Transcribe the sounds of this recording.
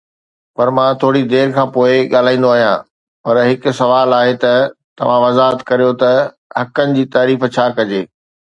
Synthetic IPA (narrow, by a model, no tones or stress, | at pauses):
pɐɾmãt̪ʰoːɽid̪eːɾkʰãːpoːɪɠaːl̤aːĩːn̆d̪oaːɦijã̰ | pɐɾɦɪkʊ̆sɐʋaːlaːɦet̪ɐt̪ɐʋ̤ãʋɐzaːɦət̪kɐɾijot̪ɐ | ɦɐkənɪ̆d͡ʑiːt̪aːɾiːft͡ɕʰaːkɐd͡ʑeː